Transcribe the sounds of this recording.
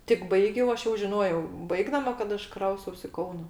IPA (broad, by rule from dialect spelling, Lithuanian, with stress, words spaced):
tʲɪk ˈbɐɪɡʲɛʊ ˈɐʃ jɛʊ ʒʲɪˈnoːjɛʊ ˈbɐɪɡdɐmɐ kɐt ˈɐʃ ˈkrɐʊstɐʊs ɪ ˈkɐʊnɐ